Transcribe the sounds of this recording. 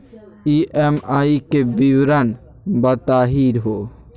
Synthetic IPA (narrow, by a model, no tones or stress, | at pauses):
iʔemaːikebiwɾən | bɐt̪aːɦiːɾɦoː